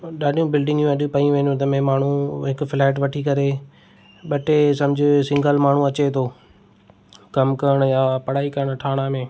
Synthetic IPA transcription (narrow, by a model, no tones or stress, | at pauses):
ɗaːɗijũbɪlɖɪ̃ŋɡjũɐɗupɐiũʋẽːnũt̪̬ɐmẽmaːɳ̤uɦɪkʊfɪlaːɪʈʋɐʈʰikɐɾe | ɓɐʈesɐ̃md͡ʑʱɪsɪ̃ŋɡəlmaːɳ̤ũɐt͡ɕet̪ʰoː | kɐmkɐɾəɽ̃jaːpɐɽaːikɐɾəɽ̃ʈʰaːɽ̃amẽː